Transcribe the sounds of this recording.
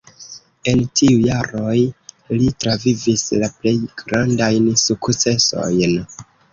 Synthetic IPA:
e̞ntʰiujaɾo̞j | litɾavivislaple̞jɡɾandajnsukt͡se̞so̞̰jn

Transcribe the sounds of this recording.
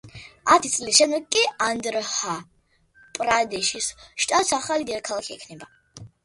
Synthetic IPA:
at̪ʰit̪sʼlisʃɛmd̪ɛɡkʼːiand̪ɾha | pʼɾad̪ɛʃisʃt̪ʼat̪saχalid̪ɛɾakʰalˠakʰiɛ̰kʰnɛba

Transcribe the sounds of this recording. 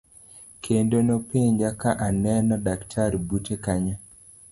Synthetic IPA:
kʰendonopeɲd͡ʒakaʔanɛnɔdaktʰaɾbutekaɲa

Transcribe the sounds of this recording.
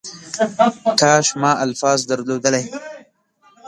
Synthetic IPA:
t̪ʰɑːʃmɑːʔalfɑːzd̪aɾlod̪əlaj

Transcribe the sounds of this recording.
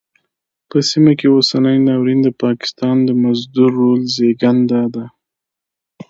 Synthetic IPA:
pəsimakeosanəjnɑwɾind̪əpɑkɪ̥st̪ɑnd̪əmazd̪uɾːolzeɡand̪ad̪a

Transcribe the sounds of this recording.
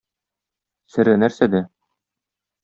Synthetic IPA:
sɘ̆ɾɘnæɾsæd̪æ

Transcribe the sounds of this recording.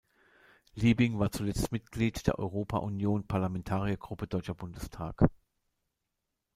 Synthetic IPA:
liːbɪŋvaːɐt͡sulɛt͡stmɪtɡ̥liːtd̥eːɐʔɔ̰ʏʁ̞oːpʰa̰ʔunjoːnpʰaɐlamɛntʰaːʁiɐɡʁʊpədɔʏt͡ʃɐbʊndəstʰa̰ːk

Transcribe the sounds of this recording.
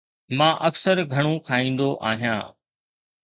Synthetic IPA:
mãːʔəksəɾɡʱɐɽ̃ũkʰaːĩːnd̪oʔaːɦijãː

